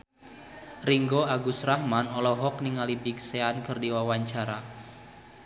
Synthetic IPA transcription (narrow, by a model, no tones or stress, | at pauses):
riŋɡoaɡusrahmanɔlɔɦɔk̚niŋalibikseankɨrdiwawaɲt͡ʃaɾa